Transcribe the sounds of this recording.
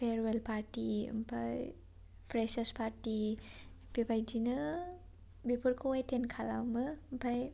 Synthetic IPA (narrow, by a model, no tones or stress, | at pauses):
pʰeɾwelpʰaɾtiɯ̰mpʰa̰j | pʰɾesespʰaɾti | pipʰajd͡ʒinɯ | bipʰɯɾkʰoetʰenkʰala̰wmɯmpʰaj